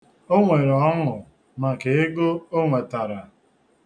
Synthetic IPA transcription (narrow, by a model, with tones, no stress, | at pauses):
o˦ŋʷe˨ɾɔ˨ɔ˦ŋʊ˨ | ma˨ke˨e˦ɡo˦o˦ŋʷe˨ta˨ɾa˨